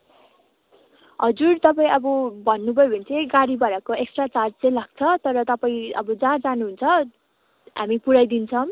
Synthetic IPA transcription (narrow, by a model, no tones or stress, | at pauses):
ɦʌd͡zurt̪ʌpaĩʌbʌbʱʌnːubʱʌjobʱʌnt͡sʰeɡaɾibʌɾakoekst̪rat͡sard͡zt͡sʌ̃ĩlaɡ̚t͡sʰʌt̪ʌɾʌt̪ʌpaĩʌ̰bʌd͡zãd͡zanuɦunt͡sʰʌ | ɦa̰mipuɾajd̪int͡sʰʌm